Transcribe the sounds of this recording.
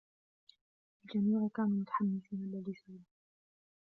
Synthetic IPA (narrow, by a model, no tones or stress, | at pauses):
ʔald͡ʒamiːʕkaːnuːmʊt̪ḁħamːɪsiːnalːalisuːn